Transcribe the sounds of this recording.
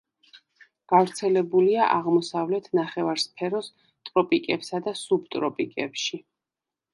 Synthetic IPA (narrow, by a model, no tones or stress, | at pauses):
ɡ̥avɾt̪sʰɛlɛbuliaʔaʁmɔsavlɛt̪ʰnaχɛvaɾspʰɛɾɔs | t̪ʼɾɔpʼikʼɛpsad̪asub̚t̪ʼɾɔpʼikʼɛpʃi